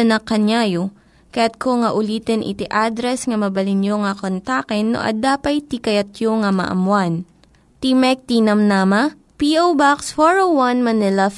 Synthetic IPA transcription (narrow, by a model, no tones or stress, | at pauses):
ɐnɐkɐnajo | kɐjat̪̚kʰoŋɐʔʊliːt̪ɛnʔɪ̰t̪iʔad̪ɾɛsŋɐmɐbɐlɪnjoŋɐkont̪akɛnːo̰ʔɐ̰d̪aːpɐjt̪ikɐjɐt̪̚joŋɐmɐ̰ʔɐ̰mwan | t̪imɛk̚t̪inɐmnamɐ | piʔowbaksfoɹowɐnmɐnɪlɐ